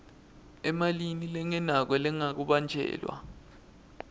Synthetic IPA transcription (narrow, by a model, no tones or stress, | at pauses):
ɛmalinilɛŋɛnak̬wɛlɛŋak̬uɓand͡ʒʱɛ̰ːlwa̰